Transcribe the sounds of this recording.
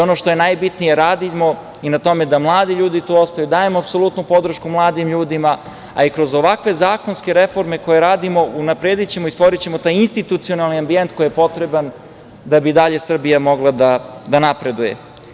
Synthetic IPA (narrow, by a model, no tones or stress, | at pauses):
o̞noʃt̪o̞je̞najbit̪nije̞ɾaːd̪imo̞ | inat̪o̞me̞d̪amlˠaːd̪iʎuːd̪it̪uːo̞st̪ajud̪aːje̞moapso̞lˠut̪nupo̞d̪ɾ̩ʃkumlˠaːd̪imʎuːd̪ima | a̰ikɾo̞zo̞ʋakʋe̞zaːko̞nske̞ɾe̞fo̞ɾme̞ko̞je̞ɾaːd̪imo̞unapɾeːd̪it͡ɕe̞moist̪ʋo̞ɾit͡ɕe̞mo̞t̪aːjinst̪it̪ut̪sio̞nalˠniambient̪ko̞jijepo̞t̪ɾe̞ban | d̪abid̪aʎe̞sr̩bijamo̞ɡlˠad̪ad̪anapɾe̞d̪ujḛ